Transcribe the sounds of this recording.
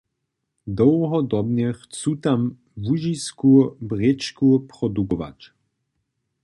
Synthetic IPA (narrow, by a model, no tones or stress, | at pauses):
d̪ɔwɦɔd̪ɔbɲɛxt͡suːt̪am | vuʒiskubrɛt͡ʃkupɾɔd̪ukɔʋa̰c